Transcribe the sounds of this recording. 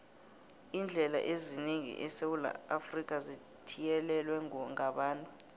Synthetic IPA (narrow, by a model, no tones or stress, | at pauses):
iːnd͡ɮʱɛla̰ʔeziniŋḭʔɛsewula̰afrik̬ʼazi | tʰijɛlɛlwɛŋaɓaːntʼu